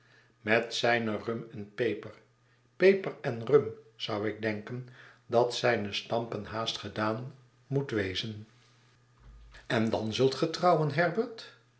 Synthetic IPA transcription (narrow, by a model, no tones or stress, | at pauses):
mɛtsɛjnərɵmɛnpejpəɹ | pejpəɹɛnrømz̥ʌwɪɡ̚dɛŋkəndɑtsɛjnəstɑmpənɦaːstχədaːn | mutʋejzən | ɛndɑnzɵlˠtχətrɑwənɦɛɹbəɹt